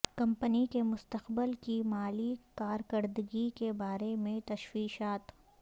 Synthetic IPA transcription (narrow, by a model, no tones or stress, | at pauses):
kɐ̃mpənikemʊst̪əqbəlkimaːlikaːɾkəɾd̪əɡikebaːɾemẽt̪ɐʃwiːʃaːt̪